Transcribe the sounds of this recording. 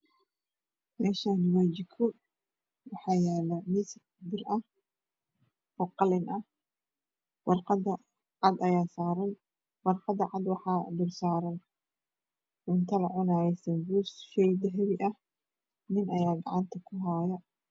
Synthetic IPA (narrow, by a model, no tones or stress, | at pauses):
mɛːʃaːnwɛːt͡ʃɪkʰɔ | wɑħɑːjɛːlɐmisɪ | d̪ɪrʔɐh | ɔːqɑlɪnʔɐh | wɑrqɑd̪ɐ | ʕɑd̪ɐjaːsaːɾɐn | wɑrqɑd̪ɐʕɑd̪wɑħɑːd̪ɪrsaːɾɐn | ʔʊnt̪ʰɐlɐʕʊnaːjɛsɐmbuːsʃɛjd̪ɐɦɐβɪʔɐh | nɪnɐjaːɡɑ̰ʕɑnt̪ʰɐkʰʊɦajɐ